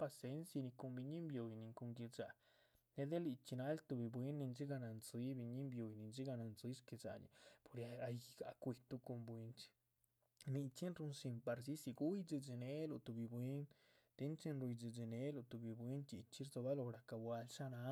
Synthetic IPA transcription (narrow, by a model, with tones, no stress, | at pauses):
pa˧se˧nsa˧ni˧ko˧mbi˧ɲi˦mbjo˨jni˧˨ŋko˧ŋɡi˧d͡ʒa˨ | ne˧d̪e˦li˧t͡ʃi˧na˧˦lt̪u˧bi˧bwi˦nːi˧nd͡ʒi˦ɡa˧na˨nzi˧˦bi˧ɲi˦mbjo˨jni˧nd͡ʒi˦ɡa˧na˨nzi˦ske˧za̰˨nḭ˧po˧ɾja˧a˧jɡa˧kʷi˧t̪u˧ko˧mbwi˧nt͡ʃi̥˧ | ni˧t͡ʃi˦nɾu˧nsi˧mpa˧ɾsi˦si˧ɡu˦jd͡ʒi˧d͡ʒi˧ne˦lu˧t̪u˧bi˧bwi˧˦n | d̪̥e˧nt͡ʃi˧nɾu˧jd͡ʒi˧d͡ʒi˧ne˦lo˧t̪u˨bi˧bwi˦nt͡ʃi˧t͡ʃi˦ɾzo˧ba˦lo˧ɾa˨ka˧bwa˧lʃa˦na˧